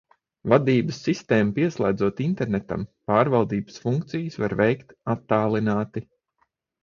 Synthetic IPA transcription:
vad̪iːbəsːist̪eːmpiɛslˠæːd̪zuɔt̪int̪ɛɾnɛt̪a̰mpaːɾvalˠd̪iːbə̥sfuŋkt̪sijsva̰ɾvɛjkt̪at̪ːaːlˠinaːt̪i

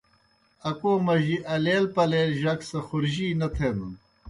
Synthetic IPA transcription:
ɐkoːmɐʑiʔɐleːlpɐleːlʑɐksɐxʊɾʑiːnɐt̪ʰeːmun

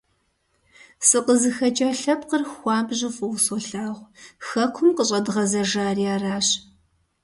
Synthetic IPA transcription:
sɨqəzɨxɐt͡ʃʼɐɬɐp̚qərxʷɑːbʑɪfʼɨwsɔɬaːʁʷxɐkʷʰʊmqəɕʼɐdɨʁɐzɐʒaːriaːraːɕ

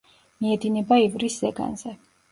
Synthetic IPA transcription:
miɛd̪inɛbaivɾiszɛɡa̰nzɛ

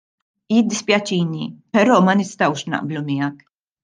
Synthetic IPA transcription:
jɪd̪ːɪspjɐt͡ʃiːnipɛɾɔːmɐnɪst̪ɐwʃnɐ̰ʔblumɪjɐk

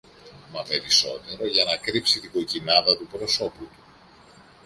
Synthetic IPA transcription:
mɐpe̞ɾiso̞t̪e̞ɾo̞ʝɐnɐkɾipsit̪iɡo̞cinɐðɐt̪upɾo̞so̞put̪u̥

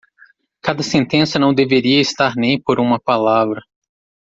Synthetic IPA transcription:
kad̪ɐsẽnt̪ẽsɐnɐ̃w̃d̪eveɾiɐist̪aɾnẽj̃poɾũmɐpalavɾɐ

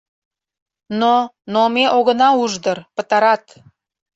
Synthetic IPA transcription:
nonomeʔoɣə̆nɑuʒd̪ərpə̆t̪ɑɾɑt̪

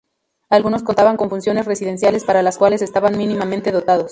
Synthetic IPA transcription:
alɣuno̞skont̪aβaŋko̞ɱfunsjo̞ne̞sresiðe̞nsjale̞spaɾalaskwale̞se̞st̪aβanmĩnĩmamẽnt̪e̞ð̞ot̪að̞o̞s

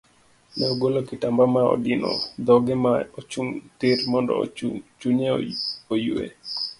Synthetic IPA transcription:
nɛoɡolokɪtambamaɔ̰dɪnɔ̰d̪ɔɡɛmaot͡ʃuŋtiɾmɔndɔ̰t͡ʃuɲeojuḛ

